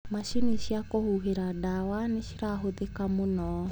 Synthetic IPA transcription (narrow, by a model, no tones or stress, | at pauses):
maʃiniʃiakohuɦeɾadawaneʃiɾaɦoðekamonɔ